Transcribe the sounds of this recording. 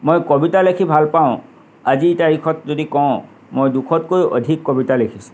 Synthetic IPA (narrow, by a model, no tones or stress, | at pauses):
mojkobitalekʰibʱalpaʊ̃ | azitaɹikʰɔtzodikɔʊ̃ | mojdukʰɔtkojʔo̰dʱikːobitalekʰisʊ̥̃